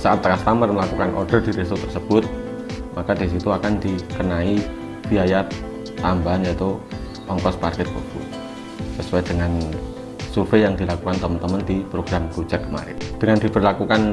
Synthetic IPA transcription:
saʔat̪ːəkast̪amərməlakukanʔɔ̰rd̥ərd̥iɾesot̪ərsəb̥ʊt̪̚ | makad̪is̬it̪uakand̪ikənai | b̥iaja | t̪ambanjat̪u | ɔŋkɔsparkɛt̪̚bə̰b̥ṵt̪ | səsuad̥əŋan | surfejaŋd̪ilakukant̪əmənt̪əmənd̪ipɾoɡ̥ɾamɡud͡ʒakːəma̰ɾɪ̰nd̥əŋand̪ib̥ərlakukan

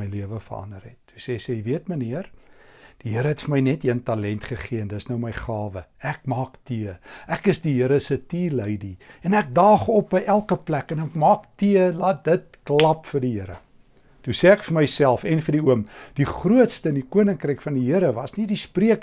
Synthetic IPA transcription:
əjliəvəfərɐ̰ndərɛ̰tːu̥sɛːsɛviətməniərd̥iɦiəɾəɦɛtfərməjnɛtiəntɑlɛntχəχiəəndəsnəwməjχɑːvəæk̚mɑːktiəækəsdiɦiəɾəsətiːləjdiɛnæk̚dɑːχɔp̚bəjʔælˠkəplækənɛkmɑːktiəlɑt̚dət̚klɐpfərdiɦəɾə̰ | tusɛːækfərməjsælˠfɛnfərdiuəmd̥iχruətstəːndikuənəŋkrəjkfɐndiɦiəɾəvɐsnidispriək

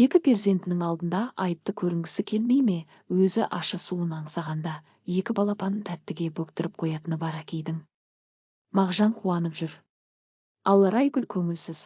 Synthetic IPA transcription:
je̞kʲɪpʰe̞ɾzʲe̞nt̪ɪnɪŋɑlˠd̪ənd̪ɑʔɑjəp̚t̪əkʲʰɵɾɪŋɡʲɪsɪkʲʰe̞lme̞jme̞ | wɵzɪʔɑʃəsuənɑɴsɑʁɑnd̪ɑ | je̞kʲɪbɑlˠɑpɑnt̪ʰæt̪ːɪɡʲe̞bɵkt̪ɪɾɪp̚qʰo̞jɑt̪ənəbɑɾækʲʰe̞jd̪ɪŋ | mɑʁʒɑɴqʰuɑnəpʒʏɾ | ɑlˠːɑɾɑjɡʲʏlkʲʰɵŋɪlsɪz̥

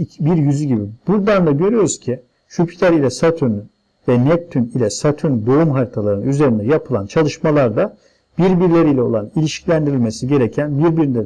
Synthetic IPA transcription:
biɾjyzyɟibibuɾd̪and̪aɟø̞ɾyjo̞ɾuz̥cʰi | ʃupʰi̥t̪ʰæɾilʲɛsat̪ʰyn | vɛnɛp̚t̪ʰːynilʲɛsat̪ʰynd̪o̞umɦaɾit̪ʰalˠaɾɯyze̞ɾind̪ɛjapʰɯlˠa̰nt͡ʃʰalˠɯʃmalˠaɾd̪a | b̥iɾbiɾlʲeɾilʲɛo̞̰lˠanilʲiʃcʰilʲænd̪iɾilʲme̞siɟe̞ɾecʰænbiɾbiɾind̪ɛ

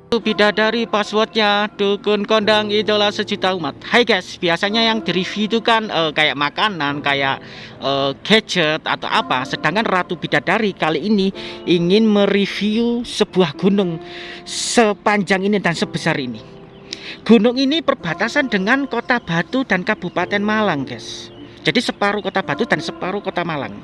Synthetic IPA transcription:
at̪ub̥idadaɾipaswɔrt̪̚ɲad̥ukʊnkondaŋit̪ulahsəd͡ʒut̪aumat̪̚hajɡɛsb̥iasaɲajaŋd̥i̤ɾifiut̪ukanəkajaʔmakanankajaʔ | əɡ̥ḁd͡ʒət̪a̰t̪a̰wʔa̰pasəd̥aŋkanrat̪ub̥id̥adaɾikaliiniʔiŋɪnmərifiusəb̥uahɡ̥ṳnʊŋ | səpaɲd͡ʒaŋinidansəb̥əsarini | ɡ̥ṳnʊŋinipərb̥a̤t̪asandəŋankot̪ab̥a̤t̪uda̤nkab̥upat̪ɛnmalaŋɡ̥ɛsd͡ʒ̥adisəpaɾukot̪ab̥a̤t̪ud̥a̤nsəpaɾukot̪amala̰ŋ

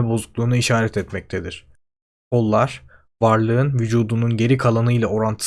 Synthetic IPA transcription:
ɛbo̞zuklˠuːnuiʃaːɾɛt̪ʰɛt̪mɛc̚t̪ʰed̪iɾ̝̥ | kʰo̞lˠːaɾ̥ | vaɾlˠɯɯnvyd͡ʒuːd̪ununɟe̞ɾikʰalˠanɯjlˠao̞ɾant̪ʰɯ̥

